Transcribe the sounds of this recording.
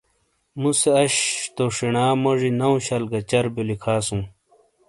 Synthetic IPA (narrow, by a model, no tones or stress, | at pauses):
museɐɕt̪oʂinaːmɐʐinɐwũɕɐlɡɐt͡ɕɐɾbolikʰaːsũ